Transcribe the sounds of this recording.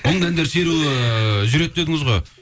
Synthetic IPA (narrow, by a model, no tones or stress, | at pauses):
onəɴd̪ænd̪eɾse̞ɾuɪʒʏɾe̞t̪̚d̪e̞d̪ɪŋəzʁoj